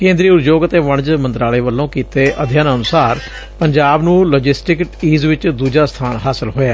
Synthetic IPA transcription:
kẽːnd̪ɾiːʊɾd͡ʒoːɡət̪eːʋəɳ̃d͡ʒmənt̪ɾaːleːʋəlːõːkiːt̪eːʔəd̪ʱjaːnənʊsaːɾ | pəɲd͡ʒaːbnũːloːd͡ʒɪsʈɪkiːzʋɪt͡ʃd̪uːd͡ʒaːst̪ʰaːnɦaːsɪlɦoːjaː

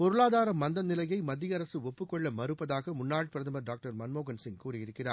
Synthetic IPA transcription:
pɔɾɯɭaːðaːɾɐmːɐnd̪ɐnɪlɐjɐɪmɐd̪ːɪjɐɾɐsɯɔpːɯkːɔɭːɐmːɐɾɯpːɐðaːɣɐmʊnːaːʈ̚pɪɾɐðɐmɐɾɖaːk̚ʈɐɾmɐnmoːɣɐnsɪŋkuːrɪjɪɾɯkːɪraːɾ

